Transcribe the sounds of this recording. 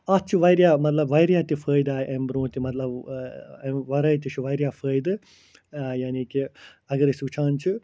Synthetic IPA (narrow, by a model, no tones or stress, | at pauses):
at̪t͡ʃʰiʋɐjɾjaːmɐt̪lɐbʋɐjɾjaːt̪ifʰəːjd̪aːjʔɐmbɾõːt̪imɐt̪lɐb | eʋɐɾɐjt̪it͡ʃʰuʋɐjɾjaːfʰəːjd̪ɨ | jaːniːkiɐɡɐɾisʋut͡ʃʰãːnt͡ʃʰi